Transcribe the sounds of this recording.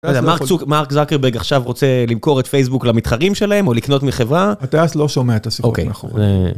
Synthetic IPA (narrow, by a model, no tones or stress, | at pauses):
azemaʁmaʁkzakeʁbeʁɡaχʃavʁot͡se̞limko̞ʁetfejs̬buklamit̪χaʁimʃe̞laemo̞likno̞tmiχe̞vʁaat̪easloʃomeaet̪asiokḛjze